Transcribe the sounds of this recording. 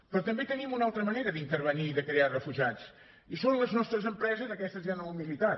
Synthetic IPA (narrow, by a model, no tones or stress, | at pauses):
pɾɔt̪əmbet̪ənimunalˠt̪ɾəməneɾəðint̪əɾβəniːðəkɾearəfuʒiat͡s | isonləznɔst̪ɾəzəmpɾɛzəzðəkɛst̪əzanəumilit̪a